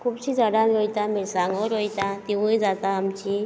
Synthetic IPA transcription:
kʰuːbɕid͡zəɽaʋiɦojt̪amesãŋɡəɾɦojt̪at̪iʋujd͡zat̪aːmt͡ɕi

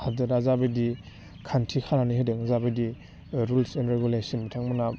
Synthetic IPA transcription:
hadɯɾazabedi | kʰantʰikʰananiɦedeŋzabedi | ɾulsɛnɾeɡulesɔnmitʰaŋmana

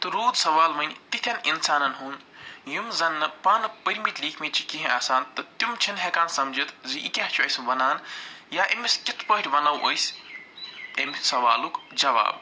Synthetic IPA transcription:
t̪ɨɾoːd̪sɐʋaːlmɐnʲt̪it̪ʰʲɐninsaːnɐnɦuːn | jumzɐnːɨpaːnɨpɐɾʲmit̪liːkʰmet͡ʃʰi̥kiɦĩʔaːsaːnt̪ɐt̪jumt͡ʃʰinɦekaːnsɐmd͡ʒit̪ʰziʔikʲaɦt͡ʃʰuɐjsɐmbɐnaːnjaːʔemiskit̪ʰpəɦiʈʲʰbɐnawʔɐ̰js | emsɐʋa̰ːlukd͡ʒɐʋa̰ːb̚

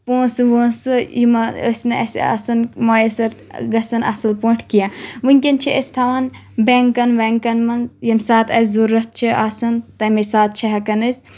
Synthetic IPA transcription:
pũːsɨʋoːsɨjimɐə̰sʲnɨɐsʲa̰ːsɐnmoːjesɐɾ | ɡɐsɐnʔɐ̰sɨlpõːʈʰkijãːʋɨnʲkʲɐnt͡ʃʰiəsʲt̪ʰaʋan | beːŋkɐnʋeŋkɐnmɐnzjɐmʲsaːt̪ʰɐszuɾːɐt̪̚t͡ʃʰiasɐnt̪ɐmesaːt̪̚t͡ʃʰɐɦɐkɐnɨsʲ

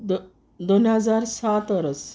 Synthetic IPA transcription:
d̪onɦəd͡zaɾsat̪əɾəs

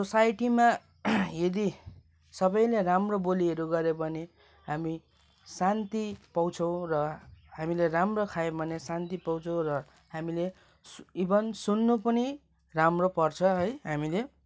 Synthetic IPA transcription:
sosajʈima | jʌd̪i | sʌbʌj̃leɾamroboliʌɾuɡʌɾebʱʌne | ɦami | sant̪ipʌw̃t͡sʰʌ̃w̃rʌɦamileramrokʰajebʱʌnesant̪ipʌw̃t͡sʰʌ̃w̃rʌ | ɦamile | sibʌnsunːupʌni | ramropʌrt͡sʰʌɦʌjɦamile

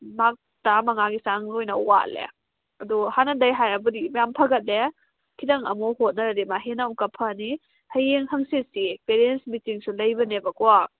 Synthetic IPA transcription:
mak̚ | tamɐŋaɡisaŋnojnɐuwa̰lḛ | ɐduhanɐdɐjɦajɾɐbɐdimajampʰɐɡɐt̚le | kʰidɐŋɐ̰mohot̚nɐɾɐdimaɦenawkɐpʰɐni | hɐjeŋhɐŋsesipeɾensmitiŋsulɐjbɐnebɐkɔwa

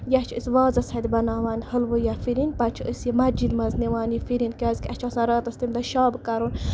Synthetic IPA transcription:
jat͡ʃʰəsʋaːzɐsɐd̪ʲibɐnaːʋaːnʲhəlʋɨjafiɾinpɐt͡ʃʰəsjimɐd͡ʒid̪mɐzniʋaːnjifiɾinkʲaːzkʲɐt͡ʃʰasãɾɐːt̪ɐst̪imd̪ɐʃaːbkɐɾun

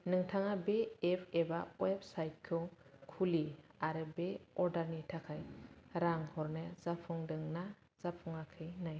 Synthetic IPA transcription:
nɯŋtʰaŋabeːpʰebaweb̚sajt̚kʰjɔkʰuliaɾɯbeɔɾdaɾnitʰakʰajɾaŋhɔɾnezapʰuŋdɯŋna | z̥apʰuŋakʰɯjnaj

